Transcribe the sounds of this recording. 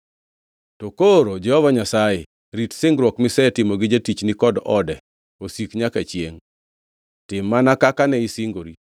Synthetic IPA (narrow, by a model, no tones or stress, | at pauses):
tokoɾod͡ʒɛhɔvaɲasaje | ɾitsɪŋɡɾwɔkmɪsɛtɪmoɡɪd͡ʒetit͡ʃnɪkɔdɔdɛ | osikɲakat͡ʃjeŋ | tɪmːanakakanɛɪsɪŋɡoɾi